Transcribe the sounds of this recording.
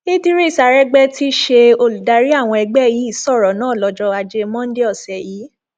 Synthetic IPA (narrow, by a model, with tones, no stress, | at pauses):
i˦di˦ɾe˦˨sa˧ɾɛ˦ɡ͡bɛ˦ti˦ʃe˧o˧lu˨da˨˧˦ɾi˦a˦˨w̃ɔ̃˧ɛ˧ɡ͡bɛ˦ji˨˦i˦˨sɔ˦˨ɾɔ˨˦nãː˨˦˨lɔ˧d͡ʒɔ˧a˧d͡ʒe˧mɔ̃˦de˦ɔ˦˨sɛ˨jiː˨˦